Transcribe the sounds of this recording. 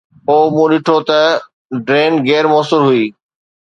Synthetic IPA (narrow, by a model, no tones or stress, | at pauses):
oːmũːɗɪʈʰot̪ɐ | ɖɾeːnɡeːɾmoːsʊlɦuiː